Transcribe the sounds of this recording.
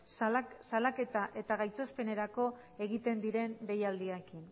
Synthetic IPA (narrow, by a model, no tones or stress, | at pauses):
salaket̪aʔe̞t̪aɣajt͡s̪ospe̞ne̞ɾako̞ | e̞ɣit̪e̞nd̪iɾe̞nɾe̞jald̪iaekin